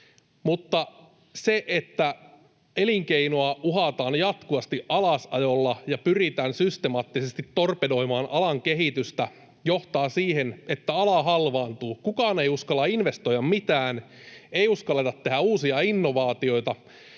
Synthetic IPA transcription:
mut̪ːɑ | seʔet̪ːæ | eliŋkeinoɑuɦɑt̪ɑːnjɑt̪kuʋɑst̪iʔɑlɑsɑ̰jolːɑjɑpyrit̪æːnsyst̪emɑːt̪ːisest̪it̪ːorpedo̞imɑːnʔɑlɑŋkeɦit̪yst̪æ | joht̪ɑːsiːhenet̪ːæɑlɑɦɑlʋɑːnt̪uːkukɑːne̞juskɑlːɑinʋe̞st̪o̞jɑmmit̪æːn | eiuskɑlːet̪ɑt̪ːe̞ɦæuːsiɑinːo̞ʋɑːt̪io̞jt̪ɑ

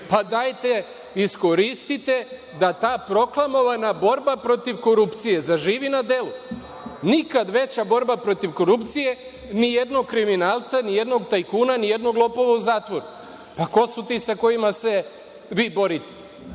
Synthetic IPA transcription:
pad̪ajt̪e̞ | isko̞ɾist̪it̪e̞ | d̪at̪aːpɾo̞klˠamo̞ʋanabo̞ɾbapɾo̞t̪iʋko̞ɾupt̪sije̞zaʒiːʋinad̪e̞lu | nikad̪ʋe̞t͡ɕabo̞ɾbapɾo̞t̪iʋko̞ɾupt̪sije̞ | nije̞d̪noɡkːɾiminaːlt̪sanijed̪no̞ɡt̪ajkuːnanije̞d̪no̞ɡlˠo̞po̞ʋauzaːt̪ʋo̞ɾu | pako̞sut̪iːsako̞imase̞ | ʋiːbo̞ɾit̪e̥

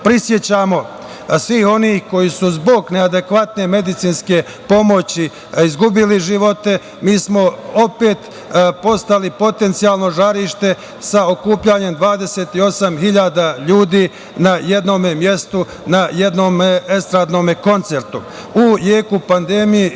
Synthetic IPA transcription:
pɾisje̞t͡ɕaːmo̞ | sʋiːho̞niːhko̞jisuzbo̞ɡnead̪e̞kʋat̪ne̞me̞d̪it̪siːnske̞ | po̞mo̞t͡ɕi | izɡubiliʒiʋo̞t̪e̞ | miːsmo̞o̞pe̞ːt̪ | po̞st̪alipo̞t̪e̞nt̪siaːlˠno̞ʒaɾiːʃt̪e̞ | sao̞kuːpʎaɲe̞md̪ʋaːd̪e̞seːt̪io̞samɦiʎaːd̪aʎuːd̪iː | naje̞d̪no̞ːmemje̞st̪u | naje̞d̪no̞ːmeest̪ɾaːd̪no̞ːmeko̞nt̪se̞ɾt̪u | ujeːkupand̪e̞mije

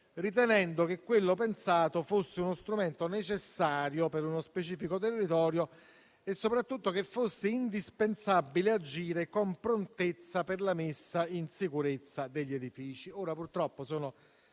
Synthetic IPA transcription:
rit̪̬ɛnɛnd̪okekːwelːop̬ensaːt̪ofosːeunost̪ɾument̪onet͡ʃesːaːɾjopeɾunospet͡ʃiːfikot̪̬erːit̪ɔːɾjo | esːopɾat̪ːut̪ːokefːosːeind̪ispensabːilead͡ʒiːɾekompɾont̪et̪sːaperlamɪsːainsikuɾet̪sːad̪eʎːed̪ifiːt͡ʃioːɾapurt̪ɾɔpːosɔːno

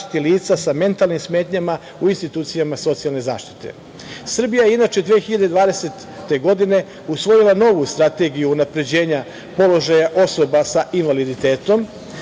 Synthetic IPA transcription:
t̪i̥t̪iliːt̪sasame̞nt̪alˠnimsme̞ːt̪ɲama | uinst̪it̪uːt̪sijamaso̞t̪sijalˠne̞za̰ːʃt̪i̥t̪e̞̰ | sr̩bijaje̞inat͡ʃe̞d̪ʋeexiʎad̪ed̪ʋaːd̪e̞set̪ːe̞ɡo̞d̪ine̞ | usʋo̞jilˠano̞ʋust̪ɾat̪e̞ɡijuːnapɾe̞d͡ʑe̞ːɲa | po̞lo̞ʒajaʔo̞so̞basaʔinʋalid̪it̪e̞ːt̪o̞m

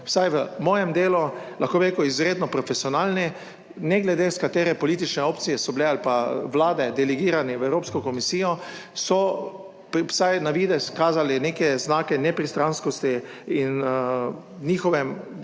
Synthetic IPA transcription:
wsajʋəmɔːjɛmd̪eːlulʔaxkoːbeɾekɔizɾeːd̪nɔpɾɔfesiɔnaːlnɛ | nɛɡlɛd̪eskat̪eːɾɛpɔliːt̪̬it͡ʃnɛoːpt̪sijɛsɔbilealpaʋlaːd̪ɛd̪ɛlɛɡiːɾanɛʋɛwɾoːpskɔkɔmisiːjɔsɔ | pwsajnaʋiːd̪ɛskaːzalineːkɛznaːkɛnɛpɾist̪ɾanskɔst̪iin | niːxɔʋɛm

